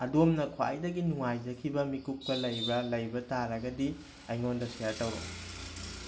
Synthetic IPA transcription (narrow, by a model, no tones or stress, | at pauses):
ɐdomnɐkʰwa̰a̰jdɐɡinuŋajd͡ʒɐkʰibɐmikuk̚pɐlɐjbɐlɐjbɐtaɾɐɡɐdi | ɐjŋondɐsʰijaɾtɐwɾo̰